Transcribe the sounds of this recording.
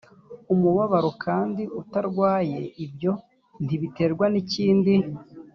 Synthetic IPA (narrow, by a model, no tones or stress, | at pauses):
umuβaβaɾokʰaːndiutaɾɡwaːje̞ʔibjo̞ | n̥iβite̞ɾɡwaniciːndi